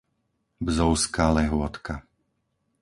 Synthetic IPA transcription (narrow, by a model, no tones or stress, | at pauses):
bzɔʊskaːlɛɦʊɔt̪ka